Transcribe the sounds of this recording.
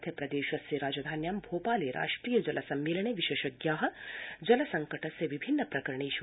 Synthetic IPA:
t̪ʰjɐpɾɐd̪eːʃʋɐsjɐɾaːd͡ʒad̪ʱaːnjaːmbʱoːpaːleːɾʔa̰ːʂʈɾiːjɐd͡ʒɐlʔɐsɐmːeːlɐɳ̃eːʋiʃeːʃɐɡjaːɦɐ̆d͡ʒɐlɐsɐŋkɐʈɐsːɐʋibʱinːɐpɾɐkɐɾɐɳ̃eːʃu

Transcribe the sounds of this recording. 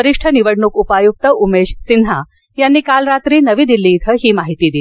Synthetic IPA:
əɾiʂʈʰəniʋəɽɳukupajuk̚t̪əʔumeɕsind̪ʱa | janːiːkalɾat̪ɾiːnəʋiːd̪ilːiːt̪ʰəɦiːmaɦit̪iːd̪i

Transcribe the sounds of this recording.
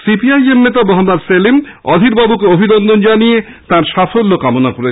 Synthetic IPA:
sipiajemnet̪abɔɦomaɾselem | ɔ̰d̪ʱiɾbabukeobʱinɔnd̪ʱond͡ʑanije | t̪ãɾʃafolːokamonakoɾe

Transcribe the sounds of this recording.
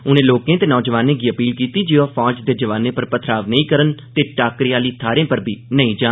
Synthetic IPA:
ʊnẽːloːkẽːt̪eːnɔːd͡ʒəʋaːnẽːɡiːəpiːlkiːt̪iːd͡ʒɪõːpʰɔːd͡ʒd̪eːd͡ʒəʋaːnẽːpəɾpət̪ʰɾaːʋnəĩːkəɾənt̪eːʈaːkɾiaːliːt̪ʰaːɾẽːpəɾbʱiːnəĩːd͡ʒãː

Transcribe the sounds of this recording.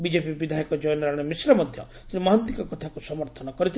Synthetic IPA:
bid͡ʒepibid̪ʱajikɔd͡ʒɔjnɔɾaɽ̃ɔmisɾɔmɔd̪ʱjɔ̰ | sɾimɔɦɔnt̪ikɔkɔt̪ʰakusɔmɔɾt̪ʰɔnɔkɔɾit̪ʰ

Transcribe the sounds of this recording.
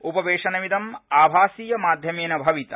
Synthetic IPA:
upɐʋeːʂɐnɐʋid̪ɐmaːbʱaːsiːjɐmaːd̪ʱjɐmeːnɐbʱɐʋit̪ɐ

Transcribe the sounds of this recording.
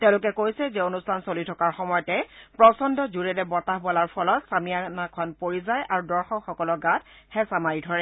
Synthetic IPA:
tɛʊ̃lʊkɛkojsɛzɛonustʰansolitʰɔkaɹxɔmɔjɔtɛpɹɔsɔndʱɔd͡ʒuɹɛlɛbɔtaɦbɔlaɹpʰɔlɔtsamijanakʰɔnpoɹizajʔaɹudɔɹxɔkxɔkɔlɔɡat̚hɛsamaɹidʱɔɹɛ

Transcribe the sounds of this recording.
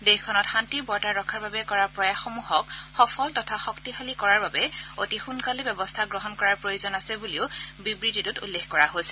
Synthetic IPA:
dexkʰɔnɔtxantiɹbɔɹtaɹɹɔkʰaɹbabɛkɔɹaɹpɹɔjaxomuɦɔk̚xɔpʰɔltɔtʰaxɔktixalikɔɹaɹbabɛotixunkalibɛbɔstʰaɡɹɔɦɔnkɔɹaɹpɹojozɔnasɛbuliʊbibɹititutṵlːexkɔɹaɦojsɛ̥

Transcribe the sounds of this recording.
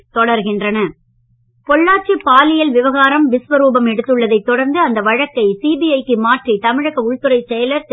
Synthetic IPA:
t̪ɔɽɐɾɣɪndrɐnɐ | kɔɭːaːʈt͡ʃːijɐpːaːlɪjɐlʋɪʋɐɣaːɾɐmʋɪsʋɐɾuːbɐmɛɽɯt̪ːɯɭːɐðɐɪt̪ːɔɽɐɾnd̪ɯɐnd̪ɐʋɐɻɐkːɐɪsiːbiɐɪkːɯmaːʈrit̪ɐmɪɻɐɣɐʊɭt̪ɯɾɐɪsɛjɐlɐɾs

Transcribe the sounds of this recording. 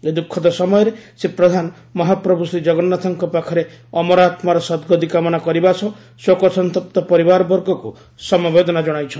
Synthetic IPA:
ed̪ukʰːɔd̪ɔsɔmɔjɔɾesepɾɔd̪ʱanɔ | mɔɦapɾɔbʱusid͡ʒɔɡɔnːat̪ɔŋkɔpakʰɔɾe | ɔmɔɾat̪maɾɔsɔd̪ɡɔd̪ikamɔnakɔɾibasɔ | sokɔsɔnt̪ɔp̚t̪ɔpɔɾibaɾɔbɔɾɡɔku | sɔmɔbed̪ɔnad͡ʒɔɽ̃ajt͡ʃʰɔ

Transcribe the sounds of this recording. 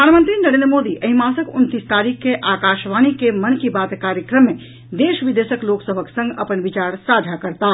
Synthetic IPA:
əɾʱanmə̃nt̪ɾinəɾend̪ɾəmod̪iʔəɦimasəkunt̪ist̪aɾikʰːeʔaːkaʃʋanikemənkibat̪kaɾjəkɾəmːe | d̪eʃʋid̪esəkloksəbʱəksə̃ŋɡəpənʋit͡ʃaɾsad͡ʒ̪ʱakəɾt̪a

